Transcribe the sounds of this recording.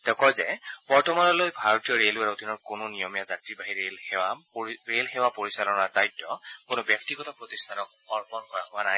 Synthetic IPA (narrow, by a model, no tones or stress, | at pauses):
tɛkɔjzɛb̥ɔɹtɔmanɔlojbʱaɹɔtijɔɹelaodinɔɹkʊnʊnijɔmijazatɹibaɦiɹelhɛwaɹelxɛwapoɹisalɔnadajtːɔkʊnʊbjɔk̚tiɡɔtapɹɔtistʰanɔk̚ | ɔɹpɔnkɔɹaɦʊanaj